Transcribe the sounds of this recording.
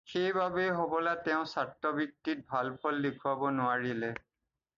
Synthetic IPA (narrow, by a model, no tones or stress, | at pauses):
xejbabejɦɔbɔlatɛʊ̃satːɔbik̚tit̚bʱalpʰɔldekʰuabɔnʊaɹilɛ